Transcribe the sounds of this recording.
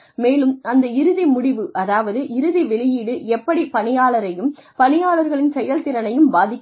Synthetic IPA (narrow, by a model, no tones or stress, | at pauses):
meːlɯmɐnd̪ɐɪɾɯðimʊɽɪʋɯʔɐðaːʋɐðɯʔɪɾɯðiʋɛɭɪjiːɽɯʔɛpːɐɽipɐɳɪjaːlɐɾɐjɯmpɐɳɪjaːɭɐɾɣɐɭɪnsɛjːɐlt̪ɪɾɐnɐjɯmbaːðɪkː